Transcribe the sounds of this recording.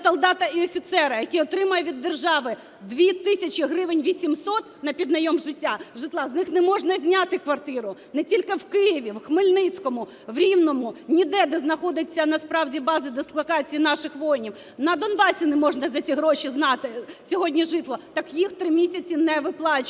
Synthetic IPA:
sɔlˠd̪ɑt̪ɐiɔfʲit̪sɛɾɐjɐkʲiɔt̪ɾɪmɐjɛʋʲid̪ːerʒɑʋɪ | d̪ʋʲit̪ɪsʲɐt͡ʃiɦɾɪʋɪnʲʋʲisʲimsɔt̪nɐpʲid̪nɐjɔmʒɪtʲːaʐɪt̪lˠɑznɪxnɛmɔʐnɐzʲnʲat̪ɪkʋɐrt̪ɪɾʊnɛtʲilʲkɪwkɪjɪʋʲiwxmɪlʲnɪt͡sʲkɔmʊ | ʋɾʲiwnɔmʊnʲid̪ɛd̪ɛznɐxɔd̪ɪt͡sʲːɐnɐspɾɑwdʲibɑzɨd̪ɪslˠɐkɑt͡sʲijinɑʃɪxʋɔjnʲiw | nɐd̪ɔnbɑsʲinɛmɔʒnɐzɐt͡sʲiɦɾɔʃiznɑt̪ɪsʲɔɦɔdʲnʲiʒɪt̪lˠɔt̪ɑkjixt̪ɾɪmʲisʲɐt͡sʲinɛʋɪplˠɑt͡ʃ

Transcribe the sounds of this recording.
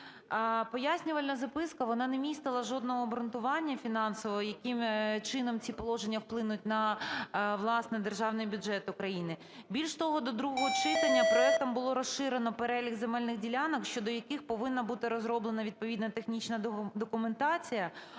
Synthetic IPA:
pɔjasʲnʲʊʋɐlʲnɐzɐpɪskɐʋɔnɑnemʲist̪ɪlˠɐʒɔd̪̚nɔɦɔbɾʊnt̪ʊʋɑnʲːɐfʲinɑnsɔʋɔɦɔjɐkɪmt͡ʃɪnɔmt͡sʲipɔlˠɔʒenʲːɐwplˠɪnʊtʲnɐ | ʋlˠɑsnɛd̪erʒɑwnɪjbʲʊʒɛt̪ʊkɾɐjinɪ | bʲilʲʃt̪ɔɦɔd̪ɔd̪ɾuɦɔɦɔt͡ʃɪt̪ɐnʲːɐpɾɔɛk̚t̪ɐmbʊlˠɔɾɔsʃɪɾenɔpeɾɛlʲiɣzemɛlʲnɪɣdʲilʲanɔkʃt͡ʃɔd̪ɔjɐkɪxpɔʋɪnːɐbut̪ɪɾɔzɾɔblˠenɐʋʲid̪̚pɔʋʲid̪nɐt̪exnʲit͡ʃnɐd̪ɔkʊment̪ɑt͡sʲijɐ

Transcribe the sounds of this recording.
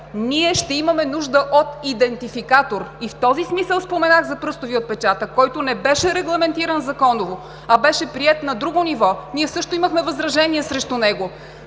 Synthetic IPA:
niɛʃt̪ɛimɐmɛnuʒd̪əʔot̪id̪ɛnt̪ifikat̪oɾift̪ɔzismisəlˠspomɛnaɣzɐpɾɤst̪oviot̪̚pɛt͡ʃat̪əkɔjt̪onɛbɛʃɛɾɛɡlˠɐmɛnt̪iɾənzɐkɔnovo | ɐbɛʃɛpɾiɛt̪nɐd̪ɾuɡonivɔniɛsɤʃt̪oiməxmɛvɐzɾɐʒɛniɛsɾɛʃt̪ʊnɛɡo

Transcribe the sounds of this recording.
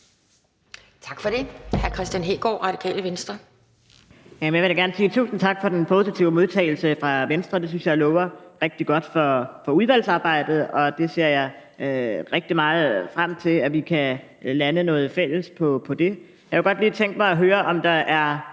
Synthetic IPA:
t͡sʰɑɡ̥fɒɾ̥e̝hæɐkʰʁɛsd̥ænɦeːɡ̥ɒ̰ːʁɑ̈d̥ikʰɛ̰ːləʋensd̥ʁɐ | jæmnjaʋe̝ɾɑɡæɐnəsiːt͡sʰṵːsn̩t͡sʰɑ̈ɡ̥fɒ̽d̥enpʰo̝sit͡sʰiʊəmo̝ð̞ˠt͡sʰɛ̰ːɪl̩səfʁɑ̈ʋensd̥ʁɐd̥e̝s̬ynsjɑ̈ɪlɔːʊɐʁeɡ̥̚d̥iɡ̥ɒ̽d̥fɒ̽fɒ̽uðˠʋæl̰sɑ̈ːb̥ɑ̈ɪ̰d̥ð̞̩ˠɒ̽d̥e̝se̝ɐ̰jɑ̈ɪ | ʁeɡ̥̚d̥imɑ̈ːð̩ˠfʁam̰t͡sʰe̝læʋikʰæ | lænənɔ̽ːð̞̩ˠfel̰əspʰɒ̽pʰɒ̽d̥e̝ | jɑheɡ̥ɒ̽d̥liːt͡sʰeŋ̰ɡ̥̚mɑ̈ɪɒ̽ɦøːɐʔɒ̽md̥ɑ̈ʔæɐ

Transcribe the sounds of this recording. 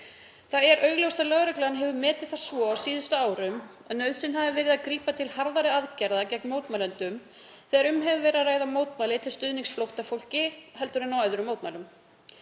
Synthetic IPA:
θaðɛɾʔœːɥɣlowst̪alœɣɾɛklaanɦɛvʏmɛːt̪ɪð̥θḁsvɔawsiːðʏst̪ʏaːwɾʏm | a̰nœːɥðsɪnɦavɪvɪɾɪðakɾiːpat̪ʰɪlhaɾðaɾɪaðcɛɾðacɛk̚nmowt̪malɛnt̪ʏm | θɛɣaɾʏmɦɛvʏvɛːɾaðraːjðamoːwt̪majlɪt̪ʰɪlst̪ʏðniŋsflowht̪afowl̥cɪhɛlt̪ʏɾɪnawajðʏɾʏmːowt̪majlʏm

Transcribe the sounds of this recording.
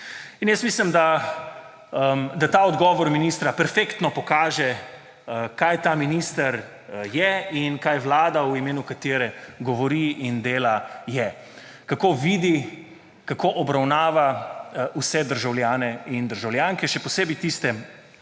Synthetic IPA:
injəst̪miːslimd̪a | md̪at̪aɔd̪ɡɔːʋɔɾminiːst̪ɾapɛɾfekt̪nɔpɔkaːʒɛ | kajt̪aːminiːst̪əɾ | jɛinkajʋlaːd̪auimeːnukat̪eːɾɛɡɔʋɔɾiʔind̪eːlajɛ | kakoʋiːd̪i | kakoʔɔbɾawnaːʋausɛd̪əɾʒawlʲjaːnɛind̪əɾʒawljaŋkɛʃɛpɔseːbit̪ist̪ɛ

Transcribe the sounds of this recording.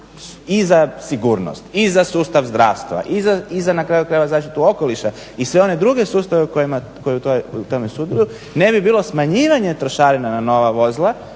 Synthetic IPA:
izasiɡuːɾno̰st̪izasuːst̪aʋzd̪ɾaːʋst̪ʋa̰ʔizaizanakɾaːjukɾajʋazaːʃt̪it̪uo̞ko̞liʃa | isʋe̞o̞ne̞d̪ɾuɡe̞suːst̪aʋeukojima | ko̞jeut̪ojt̪o̞mesud̪iju | ne̞bibiːlˠo̞smaɲiːʋaɲe̞t̪ɾoʃaːɾinanano̞ʋaʋo̞zlˠa

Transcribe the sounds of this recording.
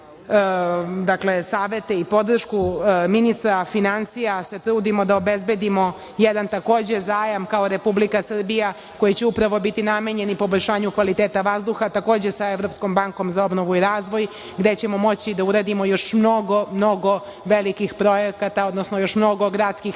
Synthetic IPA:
d̪akle̞saːʋet̪eipo̞d̪r̩ʃkuminist̪ɾafinansijase̞t̪ɾuːd̪imod̪aobezbe̞d̪imo̞ | jed̪ant̪ako̞ːd͡ʑe̞zaːjamkaoɾe̞publikasr̩bija | ko̞jit͡ɕeupɾaʋo̞bit̪inameɲe̞nipoboʎʲʃaːɲukʋalit̪eːt̪aʋazd̪uxat̪ako̞ːd͡ʑe̞saeʋɾo̞psko̞mbaŋko̞mzao̞bnoʋuiɾaːzʋo̞j | ɡd̪et͡ɕemo̞mo̞t͡ɕid̪auɾaːd̪imo̞jo̞ʃmno̞ɡo̞mnoɡo̞ | ʋelikixpɾo̞jekat̪ao̞d̪nosnojo̞ʃmno̞ɡo̞ɡɾat̪skix

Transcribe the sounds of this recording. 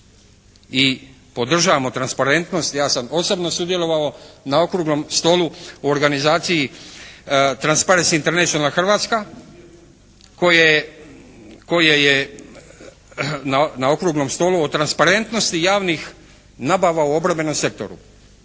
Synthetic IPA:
i | po̞d̪r̩ʒaːʋamo̞t̪ɾanspaɾe̞nt̪no̞st̪jaːsamo̞sobno̞sud̪je̞lˠo̞ʋao̞nao̞kɾuːɡno̞mst̪o̞ːluooɾɡanizaːt̪siji | t̪ɾanspaɾensint̪e̞ɾnet͡ʃionalaxr̩ʋaːt̪ska | ko̞je | ko̞jeje | nanao̞kɾuɡnomst̪o̞ːlˠuot̪ɾanspaɾe̞nt̪no̞st̪ijaːʋnix | naːbaʋauo̞bɾabe̞no̞mse̞k̚t̪o̞̰ɾṵ

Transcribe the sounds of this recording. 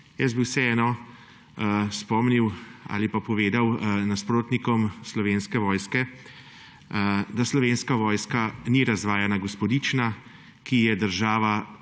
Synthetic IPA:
jɛs̬biwsɛɛːnɔ | spɔmniwa̰ːlipapɔʋeːd̪awnaspɾoːt̪nikɔmslɔʋeːnskɛʋɔːjskɛ | d̪aslɔʋeːnskaʋɔːjskaniɾazʋaːjanaɡɔspɔd̪it͡ʃna | kijɛd̪əɾʒaːʋa

